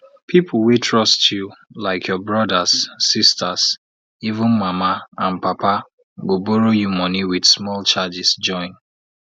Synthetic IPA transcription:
pʰipʰl̩ˠwitʰɹɔstʰjulaɪkʰjɔbɹɔdasːistas | ivʊ̃nmamaãnpapa | ɡoboɹojumɔniwidsmɔlt͡ʃad͡ʒisd͡ʒɔ̃ɪ̃n

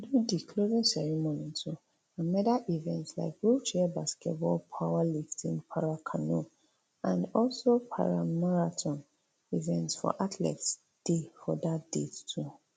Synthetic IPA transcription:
dudikʰlovĩnsɛɹimonitʰu | ãmɛdaʔivɛ̃ntsla̰ɪk̚ɡɹult͡ʃɛbaskɛtbɔlpʰawaliftĩnpʰaɹakʰano | ãnɔlsopʰa̰ɹamaɹatʰɔ̃n | ivɛ̃ntsfɔ̰ʔatʰlɛ̰ts | d̥efɔdatdettʰu

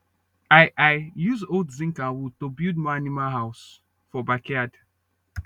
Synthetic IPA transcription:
ajʔajjuzoldzĩŋkawud̚tobildmaanimalɦaʊs | fɔbakead

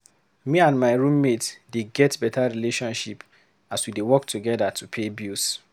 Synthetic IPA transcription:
miãnmaɪɹũmmetdeɡɛtbɛtʰaɹileʃɔ̃nʃip | aswidewɔktʰuɡɛdatʰupʰebjus

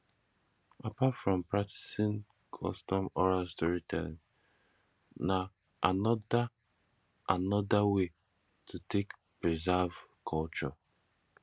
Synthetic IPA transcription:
apatfɹɔ̃mpɹak̚ti̥sĩn | kʰɔ̰stɔ̃mɔɹastuɹitʰɛ̰̃n | na | ʔanɔda | ʔanɔdawe | tʰutʰek | pɹizavkʰɔlt͡ʃɔ

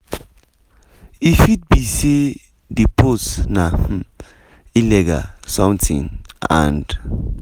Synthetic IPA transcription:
ifit̚bisi | diposnam̩ | ilɛɡa̰sɔ̃mtʰḭ̃nã̰nd

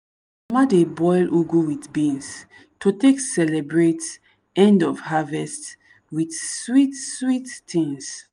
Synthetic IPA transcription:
madebɔjlʔuɡuwitbĩns | toteksɛlɛbɹet | ɛ̃ndɔvhavɛst | widswitswitːĩŋs

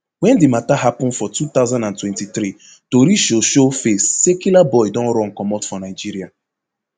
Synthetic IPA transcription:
wɛ̃ndɪmataɦapʊ̃n̩fɔtut̪aʊzãndãntwɛ̃ntiθɾi | toɾiʃoʃofesːɛkjulabɔɪdɔ̃nɾɔ̃ŋ̩kɔmɔtfɔnaɪd͡ʒiɾia

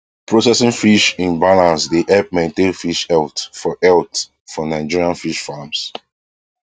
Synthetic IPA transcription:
pɹosɛsĩŋfiʃĩnbalãnsdeʔɛp̚mɛ̃ntẽnfiʃɛltfɔʔɛlt | fɔnãɪd͡ʒiɹiãnfiʃfams

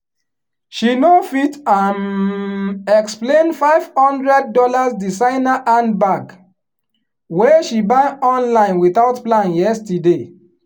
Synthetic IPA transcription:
ʃinofitan | ɛksplẽnfaɪv̥hɔ̃ndɹɛd̚ːɔlasdisãɪnaʔãnbaɡ | weʃibãɪɔ̃nlãɪ̃nwiθaʊtplãnjɛstide

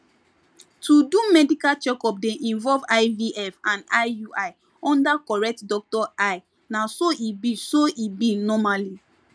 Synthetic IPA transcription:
tʰudumɛdikat͡ʃɛkɔp̚dɛ̃ʔĩnvɔlvaɪviʔɛfãndaɪjuaɪ | ɔ̃ndakɔɹɛk̚tdɔk̚tɔʔaɪ | nasoʔibisoʔibinɔmali

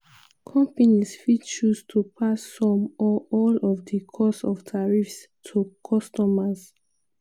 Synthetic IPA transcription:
kʰɔ̃mpanisfit͡ʃustʰupʰasːɔ̃mɔɔlɔvdəkʰɔsɔv̥tʰaɹifs | tʰukʰɔstɔmaz

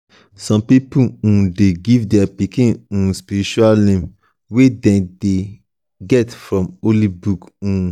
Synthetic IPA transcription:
sɔ̃mpipuũdeɡivdɛpikĩnũspiɾit͡ʃualnẽm | wedɛ̃de | ɡɛtfɹɔ̃molibukũ

